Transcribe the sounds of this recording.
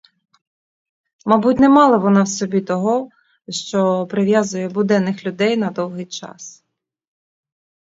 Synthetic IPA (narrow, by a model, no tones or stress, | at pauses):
mɑbutʲnɛmɑlˠɐʋɔnɑwsɔbʲit̪ɔɦɔ | ʃt͡ʃɔpɾɪʋʲjɑzʊjɛbʊd̪ɛnːɪxlʲʊd̪ɛjnɐd̪ɔwɦɪjt͡ʃɑ̰s